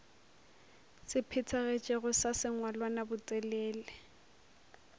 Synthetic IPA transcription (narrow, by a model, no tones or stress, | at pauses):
sɪpʰɪt͡sʰaɣet͡ʃʼɪɣʊsasɪŋwalwanabʊt͡sʼɛlɛːlɛ